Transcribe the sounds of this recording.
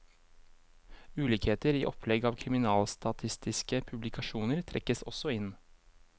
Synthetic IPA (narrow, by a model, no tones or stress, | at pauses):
ʉːliːkheːt̪əɾḭːʔɔpʰlɛɡɑːʋkʰɾɪmɪnɑːlst̪ɑt̪ʰɪst̪ɪskəpʰʉblɪkʰɑʃuːnəɾt̪ʰɾɛ̰kəsɔ̰sɔɪn